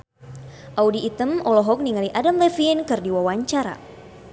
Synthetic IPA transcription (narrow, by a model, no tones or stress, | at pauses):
ʔaudiːt̪əmɔlɔɦɔk̚niŋaliʔadamlɛfinkɨrdiwawaɲt͡ʃaɾa̰